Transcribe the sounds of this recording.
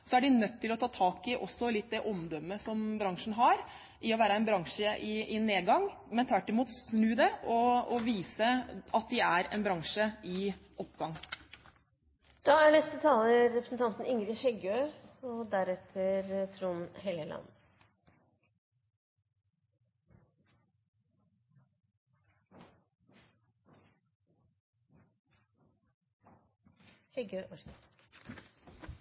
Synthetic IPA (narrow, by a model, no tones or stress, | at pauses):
sɔæɖɪnœt̪ːɪlɔt̪ʰɑːt̪ʰɑːkɪʔɔsːɔlɪt̪̚ːd̪ɛʔɔmd̪ɔmːəsɔmbɾɑŋʂn̩ɦɑɾ | ʔɪɔʋæːɾəɛnbɾɑŋʂəʔɪʔɪneːɡɑŋ | mɛnt̪ʰʋæʈːɪmuːt̪snʉːd̪ɛɔɔʋiːsəɑt̪̚d̪ɪæɾɛ̰nbɾɑŋʂəɪʔɔpːɡɑŋː | d̪̥ɑːæɳɛst̪ət̪ʰɑːləːɛpɾəsn̩t̪ʰɑnt̪n̩ɪŋɾɪçhɛɡøːɔd̪æɾɛt̪ʰəɾt̪ʰɾuːnhɛləlʔɑ̰nː | hɛɡøːʔɔɾkə